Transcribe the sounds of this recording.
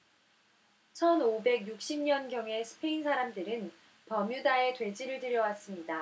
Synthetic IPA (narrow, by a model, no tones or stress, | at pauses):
t͡ɕʰʌnobe̞ɡjuk̚ɕ͈imɲʌnɡjʌŋe̞sʰɯ̥pʰe̞insʰaɾamdɯɾɯn | pʌmjudae̞twe̞d͡ʑiɾɯɭdɯɾjʌwas͈ɯmɲida